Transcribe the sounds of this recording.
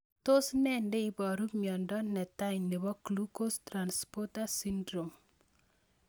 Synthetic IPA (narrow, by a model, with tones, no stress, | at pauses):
to˦snɛ˦ndɛ˦i˦bɔ˨ɾu˦mjɔ˨ndɔ˦nɛ˨taɲne˨bɔ˦klu˦ko˦stɾanspɔ˦tasindɾo˨m